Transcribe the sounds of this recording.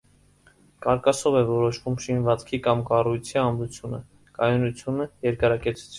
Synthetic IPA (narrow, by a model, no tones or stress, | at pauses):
kɑɾkɑsɔvɛvɔɾɔʃvumʃinvɑt͡skʰikɑmkɑrujt͡sʰiɑmɾut͡sʰjunə̰ | kɑjunut͡sʰjunəjɛɾkɑɾɑkɛt͡sʰu̥t͡sʰ